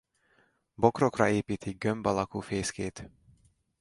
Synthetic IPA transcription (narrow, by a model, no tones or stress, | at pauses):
bo̞kro̞krɒ̰eːpiːt̪iɡømbɒlɒkuːfeːskeːt̪